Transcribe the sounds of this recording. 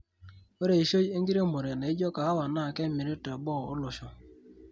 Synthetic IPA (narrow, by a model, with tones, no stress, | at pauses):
we˦ɾe˨i˨ʃo˦e˦ŋ̩˦ɡi˦ɾe˦˨mo˨ɾe˨na˨i˦d͡ʒɔ˦ka˨a˦wa˨na˦˨ke˦mi˨ɾi˦te˨ɡ͡bɔ˦˨ʊ̰˦lʊ˨ʃɔ˦